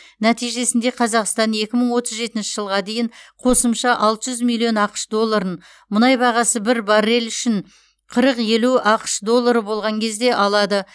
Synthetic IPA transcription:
næt̪ijʒe̞sɪnd̪e̞qʰɑzɑqst̪ɑne̞kʲɪməɴwo̞t̪əzʒe̞t̪ɪnʃɪ̥ʒəlˠʁɑd̪e̞jɪɴqʰo̞səmʃɑʔɑlˠt̪əʒʏzmilʲːijo̞nɑqə̥ʃd̪o̞lˠːɑɾən | mʊnɑjbɑʁɑsəbɪɾbɑɾːelʏʃɪɴ | qʰəɾəqje̞luɑqə̥ʃd̪o̞lˠːaɾəbo̞lˠʁɑŋkʲʰe̞zd̪e̞ʔɑlˠɑd̪ə

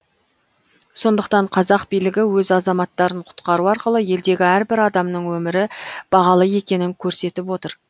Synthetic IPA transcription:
so̞nd̪əq̚t̪ɑɴqʰɑzɑqbijlɪɡʲɪwɵzɑzɑmɑt̪ːɑɾəɴqʰʊ̥t̪qɑɾuɑɾqəlˠəje̞ld̪e̞ɡʲɪæɾbɪɾɑd̪ɑmnəɴwɵmɪɾɪb̥ɑʁɑlˠəje̞kʲe̞nɪŋkʲʰɵɾse̞t̪ɪp̬wo̞t̪əɾ

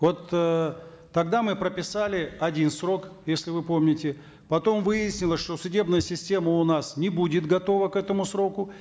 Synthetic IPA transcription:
vo̞t̪əː | ɐɡd̪amɨpɾəpʲɪsalʲɪɐdʲinsro̞kjesʲlʲɪvɨpo̞mnʲɪtʲɪ | pɐt̪o̞mvɨjɪsʲnʲɪlˠəsʲʂt̪o̞sʊdʲe̞bnɨjəsʲɪsʲtʲe̞məʊnasnʲɪbudʲɪt̪ɡɐt̪o̞vəkɛt̪əmʊsɾo̞kʊ

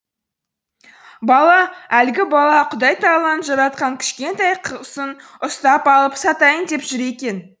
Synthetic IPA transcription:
bɑlˠɑælɡʲɪbɑlˠɑqʰʊd̪ɑjt̪ɑlˠɑnəʒɑɾɑt̪̚qɑŋkʲʰɪ̥ʃkʲe̞nt̪ɑjqʰəsən | ʊst̪ɑpɑlˠəpsɑt̪ɑjənd̪e̞pʒʏɾe̞kʲe̞n

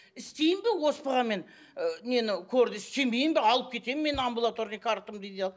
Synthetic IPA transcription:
ɪst̪e̞jɪmbɪwo̞spəʁɑme̞n | ne̞nɪkʲʰɵɾd̪ɪɪst̪e̞mbe̞jɪmbɪɑlˠəp̚kʲʰe̞t̪e̞mːe̞nambulˠat̪o̞ɾnəjkʰaɾt̪əmd̪ejd̪ejɑlˠ

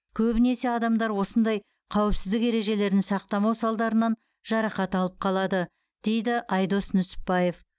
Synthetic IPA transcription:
kʲʰɵbɪne̞se̞ɑd̪ɑmd̪ɑɾwo̞sənd̪ɑj | qʰɑwɪpsɪzd̪ɪke̞ɾe̞ʒe̞le̞ɾd̪ɪŋsɑq̚t̪ɑmɑwsɑlˠd̪ɑɾənɑn | ʒ̥ɑɾɑqɑt̪ɑlˠəp̚qʰɑlˠɑd̪ə | d̪̥e̞jd̪ɪʔɑjd̪o̞snʏsɪ̥pːɑje̞f

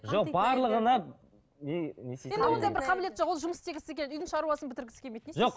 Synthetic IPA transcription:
ʒo̞q̚bɑɾlˠəʁənɑ | neneseed̪ɪwo̞nd̪ɑjbɪɾqʰɑbɪle̞t̪ʒoqwolˠʒʊməst̪ʰeɡʲɪsɪzekʲenɪʏjd̪ɪŋʃɑɾuɑsənbɪt̪ɪɾɡʲɪsɪ̥emejt̪eʒoq

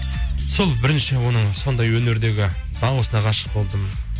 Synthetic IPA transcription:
solˠbɪɾɪnʃɪwo̞nəɴso̞nd̪ɑjwɵne̞ɾd̪e̞ɡʲɪ | d̪̥ɑɴuəsənɑqʰɑʃə̥q̚bo̞lˠd̪əmə

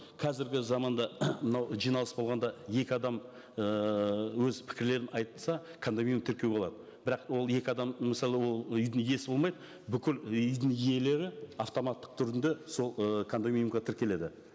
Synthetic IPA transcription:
qʰɑzɪɾɡʲɪzɑmɑnd̪ɑmənɑwʒijnɑlˠəsbo̞lˠʁɑnd̪ɑje̞kʲɪɑd̪ɑm | əwɵzpʰɪ̥kʲɪɾle̞ɾɪnɑjt̪əlsɑkʰand̪omijumt̪ʰɪɾkʲeo̞lˠɑ̰d̪ə | bɪɾɑqwo̞lˠje̞kʲɪɑd̪ɑmmɪsɑlˠewo̞lˠʏjd̪ɪŋje̞sbo̞lmɑjd̪ə | bʏkʲɪlʏjd̪ɪŋije̞le̞ɾɪɑft̪o̞mɑt̪ːə̥q̚t̪ʰʏɾɪnd̪e̞so̞lˠəkʰand̪omʲijumqɑt̪ʰɪɾkʲe̞le̞d̪ɪ

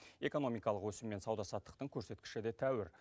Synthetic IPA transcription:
e̞ko̞no̞mijkɑlˠəqwɵsɪmːe̞nsɑwd̪ɑsɑt̪ːə̥q̚t̪əɴkʲʰɵɾse̞t̪kʲɪ̥ʃɪd̪e̞t̪ʰæwɪɾ

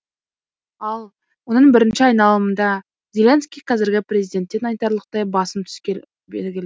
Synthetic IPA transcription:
ɑlˠ | wo̞nəɴbɪɾɪnʃɪɑjnɑlˠəmənd̪ɑ | z̥ʲe̞lʲenskʲijqʰɑzɪɾɡʲɪprʲe̞zijd̪e̞nt̪ːe̞nɑjt̪ɑɾlˠəq̚t̪ɑjbɑsəmt̪ʰʏ̥skʲe | bḛlɡʲɪl

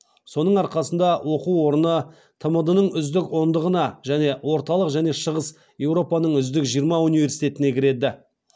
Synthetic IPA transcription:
so̞nəɴɑɾqɑsənd̪ɑwʔo̞quwo̞ɾənə | t̪ʰəməd̪ənəɴʏzd̪ɪko̞nd̪əʁənɑʒæne̞wo̞ɾt̪ɑlˠəqʒæne̞ʃəʁəs | je̞wɾo̞pɑnəɴʏzd̪ɪkʒijɾmɑunivʲe̞ɾsi̥jt̪e̞t̪ɪne̞kʲʰɪɾe̞d̪ɪ

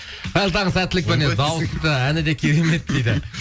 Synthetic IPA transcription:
b̪̥ælt̪ʰɑɴəzæt̪ːɪlɪk̚pbened̪ɑwəsst̪əænɪd̪e̞kʲʰe̞ɾeme̞t̪̚ːejd̪ɪ

